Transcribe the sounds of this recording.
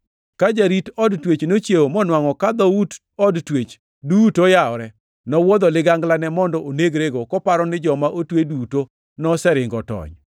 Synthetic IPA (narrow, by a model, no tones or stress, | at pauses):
kad͡ʒaɾitɔdtwet͡ʃnot͡ʃjeomɔnwaŋɔkad̪ɔud | ɔdtwet͡ʃ | dutojaɔɾɛ | nɔwɔd̪ɔlɪɡaŋɡlanɛmɔndɔʔoneɡɾeɡokɔpaɾɔnɪd͡ʒɔmaʔotweduto | nɔsɛɾɪŋɡɔtɔ̰ɲ